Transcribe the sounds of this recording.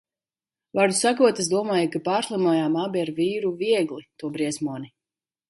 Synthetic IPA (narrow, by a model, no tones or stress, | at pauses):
vaɾd̪u̥sakuɔt̪as̬d̪uɔmaːjakapaːɾslˠamuɔjaːmabiaɾviːɾuviɛɡlˠit̪uɔbɾiɛsmuɔni